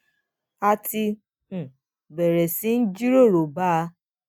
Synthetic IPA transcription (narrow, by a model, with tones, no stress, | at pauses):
a˧tĩ˧˨ | bɛ˨ɾɛ˨sĩ˨˦n̩˦d͡ʒi˦ɾo˦˨ɾo˨ba˦˧˦